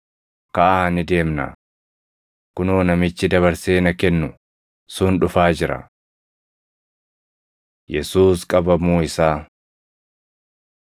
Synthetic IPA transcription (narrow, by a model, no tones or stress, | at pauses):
kɐʔaːnɪd̪e̞ːmnɐ̰ | kʊnuːnɐmɪt͡ʃːɪd̪ɐβɐɾse̞ːnɐkɛnːʊ | sʊnᶑʊfaːd͡ʒɪɾɐ̰ | jɛsuːskʼɐbɐmuːɪsaː